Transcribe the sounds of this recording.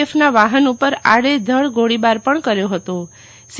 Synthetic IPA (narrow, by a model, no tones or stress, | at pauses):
efnaʋaɦənupəɾa̰ɽed̪ʱəɭɡoɽibaɾpəɳkəɾjoɦət̪o | s